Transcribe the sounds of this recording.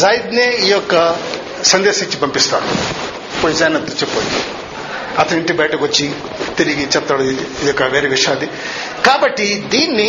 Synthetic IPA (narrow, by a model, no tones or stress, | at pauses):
zaːjid̪neijokːɐ | sɐnd̪eːsɐt͡ʃːibɐmpist̪a̰ː | poːjizaːnɐt̪ːut͡ʃipo̰ːjḭ | ɐt̪ʰnɐ̃iɳʈibɐjʈɐɡot͡ʃːi | t̪iɾiɡit͡ʃɐpt̪ːɐɽd̪iijokːɐʋeːɾeʋiʂaːd̪i | kaːbɐʈːid̪iːnːi